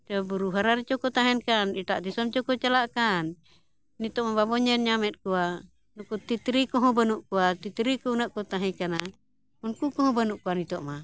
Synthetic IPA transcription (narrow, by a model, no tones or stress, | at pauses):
t̪ɔbuɾuɦaɾaɾit͡ʃɔkɔt̪aɦɛnkaniʈaʔd̪isɔmt͡ʃɔkɔt͡ʃalaʔkan | nit̪ɔʔmababɔɲɛnɲamɛt̪̚kua | nukut̪it̪ɾikɔɦɔ̃banuʔkuat̪it̪ɾikuunaʔkɔt̪aɦikana | unkukɔɦɔ̃banuʔkuanit̪ɔʔma